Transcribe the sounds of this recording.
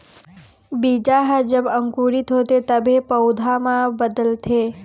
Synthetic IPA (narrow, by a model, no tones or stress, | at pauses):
bid͡ʒaɦəd͡ʒəbəŋkuɾit̪ɦot̪et̪əbʱepəwd̪ʱamãbəd̪əlt̪ʰe